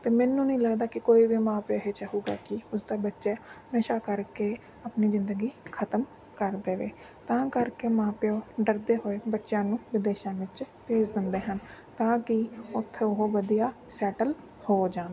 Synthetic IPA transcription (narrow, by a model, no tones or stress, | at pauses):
t̪eːmɛ̃ːnːũːnĩːləɡd̪aːkɪkoːiːʋiːmãːpoɦeːt͡ʃəɦuːɡa̰ːkɪʊsd̪aːbətːʃeːnəʃaːkəɾkeː | apniːzɪ̃nd̪əɡiːkʰət̪əm | kəɾd̪eːʋḛː | t̪ãːkəɾkeːmãːpɪjoːɖəɾd̪eːɦoːebətːʃãːnũːʋɪd̪eːʃãːʋɪt͡ʃpeːd͡ʒd̪ɪnd̪eːɦən | t̪ãːkɪʊt̪ʰːeʊɦoʋəd̪ijaːsɛːʈəl | hoːd͡ʒãːnd̪